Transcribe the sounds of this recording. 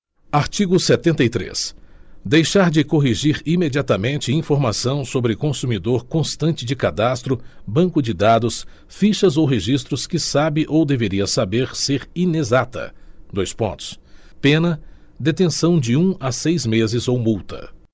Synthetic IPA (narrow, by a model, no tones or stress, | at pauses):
aɾt͡ʃiɡʊset̪ẽnt̪ɐjt̪ɾḛsd̪ejʃaɾd͡ʒɪkoɦiʒiɾimed͡ʒiat̪ɐmẽnt͡ʃɪĩfoɾmasɐ̃w̃sobɾɪkõsumid̪oɾkõst̪ɐ̃nt͡ʃɪd͡ʒɪkad̪ast̪ɾʊbɐ̃ŋkʊd͡ʒɪd̪ad̪ʊs | fiʃɐzowɦeʒist̪ɾʊskɪsabɪʔowd̪eveɾiɐsabeɾseɾinezat̪ɐ̰d̪ojspõ̰nt̪ʊ̥s | pẽnɐ | d̪et̪ẽsɐ̃w̃d͡ʒɪũasejzmezɪzowmuwt̪ɐ̰